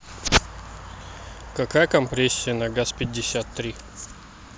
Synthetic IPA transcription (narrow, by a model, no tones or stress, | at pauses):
kɐkajəkɐmpɾʲesʲːɪjənɐɡaspʲɪdʲːɪsʲat̪ːɾʲi